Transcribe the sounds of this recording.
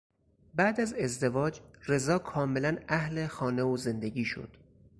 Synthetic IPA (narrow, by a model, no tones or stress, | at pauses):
bæːd̪æze̞zd̪evɒːd͡ʒre̞zɒːkʰɒːme̞lænæhle̞xɒːneoze̞nd̪eɟiːʃo̰d̪̥